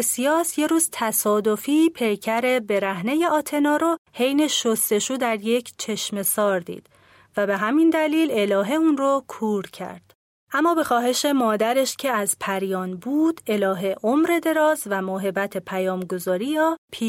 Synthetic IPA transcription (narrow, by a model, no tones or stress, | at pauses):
sijɒːsje̞ɾuːzt̪ʰæsɒːd̪o̞fipʰe̞jcʰæɾe̞be̞ɾæhne̞je̞ʔɒːt̪ʰe̞nɒːɾohe̞jne̞ʃost̪e̞ʃuːd̪æɾje̞cʰt͡ʃʰe̞ʃme̞sɒːɾd̪ḭːd̪̥ | væbe̞ɦæmind̪æliːle̞lɒːɦe̞unrokʰuːɾcʰæ̰ɾd̪̥ | ʔæmːɒːbe̞xɒːɦe̞ʃe̞mɒːd̪æɾeʃcʰe̞æzpʰæɾjɒːnbuːd̪̥e̞lɒːɦeʔomɾe̞d̪e̞ɾɒːzvæmoɦe̞bæt̪ʰe̞pʰæjɒːmɡo̞zɒːɾiːjɒːpʰi